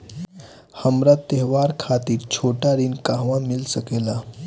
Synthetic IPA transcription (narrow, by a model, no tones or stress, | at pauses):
həmɾat̪ːeɦʋaɾkʰat̪iːɾt͡ɕʰoʈaɾiːnkaɦʋãmilsəkela